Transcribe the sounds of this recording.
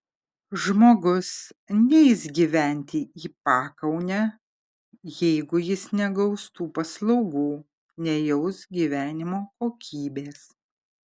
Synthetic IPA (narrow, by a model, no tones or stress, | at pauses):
ʒmoːɡʊsnʲɛɪzɡʲiːʋʲæˑnʲt̪ʲɪiːpɑːkɐʊnʲɛ | jɛɪɡʊjɪsnʲɛɡɒʊst̪uːpɐslˠɐʊɡuː | nʲɛjɛʊsɡʲiːʋʲæːnʲɪmoːkoːkʲʰiːbʲeːs